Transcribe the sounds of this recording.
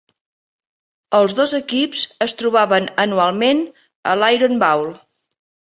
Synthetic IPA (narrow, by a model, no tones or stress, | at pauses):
əlˠzðozəkipzəst̪ɾuβaβənənualˠmen | ə̰lajɾonbawlˠ